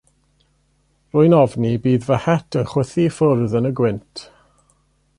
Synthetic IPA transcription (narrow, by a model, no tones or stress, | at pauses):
rʊːjnɔvnibiːðvəhɛtʰənχwəθifʊrðənəɡwɪntʰ